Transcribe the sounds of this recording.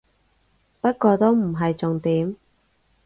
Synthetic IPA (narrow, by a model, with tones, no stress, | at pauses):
pɐ˥t̚kɔː˧t̪o˥wm̩˨˩ɦɐ˨jt͡sʊ˨ŋt̪iː˨˥m